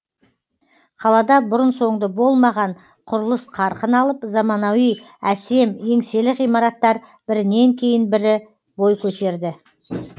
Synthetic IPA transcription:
qʰɑlˠɑd̪ɑbʊɾənso̞ɴd̪əbo̞lˠmɑʁɑɴ | qʰʊɾəlˠəsqʰɑɾqənɑlˠəpzɑmɑnɑwij | æse̞me̞ŋse̞lɪqijmɑɾɑt̪ːɑɾ | b̥ɪɾɪne̞ŋkʲʰe̞jɪnbɪɾɪ | bo̞jkʲʰɵt̪e̞ɾd̪ɪ

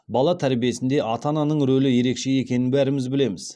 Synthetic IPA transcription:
bɑlˠɑt̪ʰæɾbije̞sɪnd̪e̞ʔɑt̪ɑnɑnəɴɾɵlɪje̞ɾe̞kʃe̞je̞kʲe̞nɪnbæɾɪmɪzbɪle̞mɪz̥

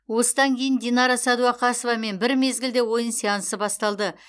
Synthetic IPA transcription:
wo̞səd̪ɑŋkʲʰe̞jɪnd̪ʲenɑɾɑsɑd̪uɑqʰɑsəvɑme̞nbɪɾme̞zɡʲɪld̪e̞wo̞jənsijɑnəsəbɑst̪ɑlˠd̪ə

